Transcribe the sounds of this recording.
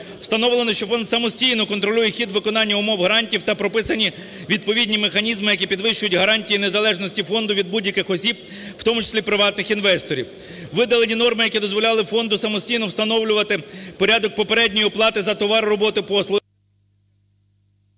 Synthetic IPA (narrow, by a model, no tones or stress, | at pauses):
w̥st̪ɐnɔwlˠenɔʃt͡ʃɔfɔnd̪sɐmɔsʲtʲijnɔkɔnt̪ɾɔlʲujɛxʲid̪ʋɪkɔnɑnʲːɐʊmɔwɦɾɑnʲtʲiwt̪ɐpɾɔpɪsɐnʲi | ʋʲid̪̚pɔʋʲidʲnʲimexɐnʲizmɪjɐkipʲid̪ʋɪʃt͡ʃʊjʊtʲɦɐɾɑnʲtʲijinezɐlˠɛʒnɔsʲtʲifɔnd̪ʊʋʲid̪̚budʲjɐkɪxɔsʲib̚ | wt̪ɔmʊt͡ʃɪ̥sʲlʲipɾɪʋɑt̪nɪxinʋɛst̪ɔɾʲḭw | ʋɪd̪ɐlˠenʲinɔrmɪjɐkʲid̪ɔzʋɔlʲɑlˠɪfɔnd̪ʊsɐmɔsʲtʲijnɔwst̪ɐnɔwlʲʊʋɐt̪ɪpɔɾʲad̪ɔk̚pɔpeɾɛdʲnʲɔjiplˠɑt̪ɪzɐt̪ɔʋɑɾːɔbɔt̪ɪpɔslˠʊ